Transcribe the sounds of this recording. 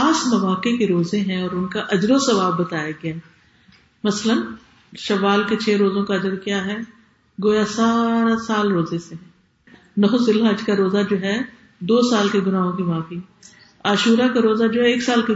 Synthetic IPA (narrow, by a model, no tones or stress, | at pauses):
aːsmɐʋaːkekeɾoːzẽɦɛ̃ɔːɾʊnkaʔɐd͡ʒɾosɐʋaːbːɐt̪aːjaɡɐjaː | mɐslən | ʃɐʋaːlket͡ʃʰɛːɾoːzõkaɐd͡ʒəɾkjaːɦɛ | ɡoːjasaːɾasaːlɾoːzesẽ | nɔːzɪlɦaːd͡ʒkaɾoːzad͡ʒoːɦɛ | d̪oːsaːlkeɡʊnaːɦõkimãːfiɦɛ | aːʃuːɾakaɾoːzad͡ʒoːɦɛeːksaːlke